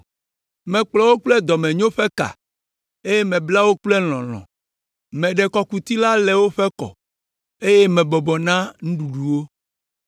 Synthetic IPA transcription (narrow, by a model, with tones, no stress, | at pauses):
mɛ̃˨k͡plɔ˨wo˦k͡plɛ˦d̪ɔ˨mɛ̃˨ɲõ˦ɸɛ˦ka̰˨ | e˦je˦mɛ̃˨bla˦wo˦k͡plɛ˦l̃ɔ̰̃˨l̃ɔ̰̃˨ | mɛ̃˨ɖɛ˨kɔ˨ku˨t̪i˦la˦lɛ˨wo˦ɸɛ˦kɔ̰˨ | e˦je˦mɛ̃˨bɔ˨bɔ˨nã˦ŋũ˦ɖu˨ɖu˨wo˦